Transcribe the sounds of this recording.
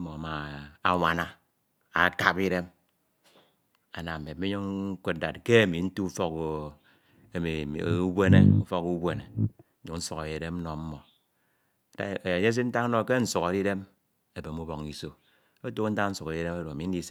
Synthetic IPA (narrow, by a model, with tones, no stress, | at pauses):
mo˨ma˨a˨ŋʷa˨na˦ | a˨ka˦pi˦ɾe˦m | a˨na˨e˨˦e˦ɲo˦ŋ̩˦kʷe˦t̚da˨t̚ke˦e˦˨mi˨n̩˦tu˦fɔ˦k | e˨mḭ˨u˦be˦nḛ˦u˦fɔ˦ku˦be˦ne˨˦ | u˨n̩˦su˨ka˨ɾi˨de˦m̩˦nɔ˨m̩˦mɔ˨ | da˨ɲe˦s̬i˦n̩˦ta˦ŋ˦no˨ke˦n̩˦su˨ka˨ɾi˦de˦m | e˨be˨mu˦bo˨ŋi˨so˨ | o˦to˦n̩˦ta˦n̩˦su˨ke˨ɾi˦ɾe˦ma˦ɾo˨a˨mi˨n̩˦di˦se˦